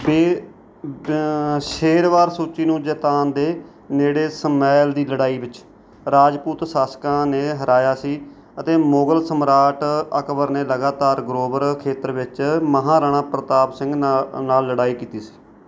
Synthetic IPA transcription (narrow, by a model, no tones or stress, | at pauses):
beː | ʃeːɾʋaːɾsuːt͡ʃiːnũːd͡ʒɛːt̪aːnd̪eː | neːɽeːsəmɛːld̪iːləɽaːiːʋɪt͡ʃ | ɾaːd͡ʒpuːt̪saːskãːneːɦəɾaːjaːsiː | ət̪eːmoːɡəlsəmɾaːʈəkʋəɾneːləɡaːt̪aːɾɡɾoːbəɾkʰeːt̪əɾʋɪt͡ʃməɦãːɾaːɽ̃ãːpɾət̪aːpsɪ̃ŋɡnaːlːəɽaːiːkiːt̪iːsi̥ː